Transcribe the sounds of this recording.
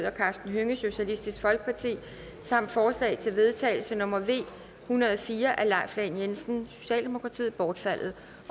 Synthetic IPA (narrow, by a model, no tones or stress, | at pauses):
ðˠɐkʰɑ̈ːsd̥n̩ɦøŋəso̝ɕælisd̥isɡ̥fɒ̽lɡ̥ə̥pʰɑ̈t͡sʰḭː | sɑ̈m̰d̥fɒːslɛ̰ːɪt͡sʰe̝lʋe̝ð̞ˠt͡sʰɛ̰ɪl̩sənɔ̽mɐʋe̝̰ː | hunɐð̞ˠɒfiːɐʔælɑ̈ɪ̰flɛɪnjensn̩so̝ɕɛ̰ːld̥e̝mo̝kʰʁɑ̈t͡sʰḭːð̩ˠb̥ɒːd̥fæl̰ð̞̩ˠ